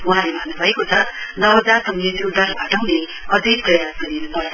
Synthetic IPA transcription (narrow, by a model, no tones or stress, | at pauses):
uɦãlebʱanːubʱʌekot͡sʰʌnʌbɦʌd͡zarsʌmjʌnɾud̪aɾbʱaʈʌwne | ʌd̪ʱik̚prʌjasɡʌɾinupʌɾ